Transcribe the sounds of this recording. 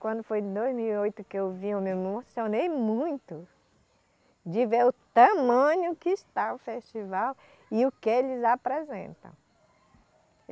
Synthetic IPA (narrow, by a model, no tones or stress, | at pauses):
kwɐ̃nd̪ʊfojd̪ojzmiwiojt̪ʊkɪewviẽmewmmosionejmũj̃t̪ʊ | d͡ʒɪveɾʊt̪ɐmɐ̃ɲʊkɪːst̪anʊfeʃt͡ʃivaw | ɪʊkɪelɪzapɾezḛ̃nt̪ɐ̰̃w̃